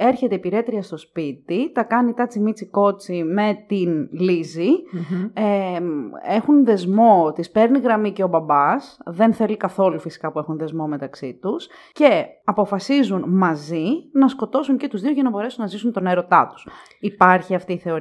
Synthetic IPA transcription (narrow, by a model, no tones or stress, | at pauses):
e̞ɾçe̞t̪e̞ipiɾe̞t̪ɾiɐst̪o̞spit̪it̪ɐkɐnit̪ɐt͡simit͡siko̞t͡sime̞t̪inlizi | e | e̞xunðe̞zmo̞t̪ispe̞ɾniɣɾɐmiceo̞bɐbɐsðe̞nθe̞likɐθo̞lufisi̥kɐpue̞xunðe̞zmo̞me̞t̪ɐksit̪us | ce̞ɐpo̞fɐsizunmɐzinɐsko̞t̪o̞suɲce̞t̪uzðioʝɐnɐbo̞ɾe̞sunːɐzisunt̪o̞neɾo̞t̪ɐt̪u̥s | ipɐɾçiɐft̪iːθe̞o̞ɾ